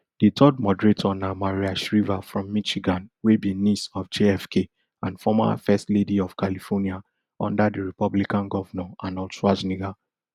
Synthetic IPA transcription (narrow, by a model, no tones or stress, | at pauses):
d̥etʰɔd̚mɔdɹetʰɔnamaɹiaʃɹivafɹɔ̃mːiʃiɡãnwebĩnisɔfd͡ʒeɛfkʰe | ãnfɔma̰fɛstlediɔv̥kalifɔnia | ɔ̰̃ndadəɹipɔblikãnɡɔvanɔãnɔlsɹad͡ʒniɡa